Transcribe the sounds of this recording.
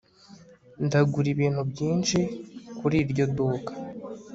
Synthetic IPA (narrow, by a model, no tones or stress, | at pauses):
ndaɡuɾiβiːn̥hubɟiːnʃikuɾiːɾɟo̞duːkḁ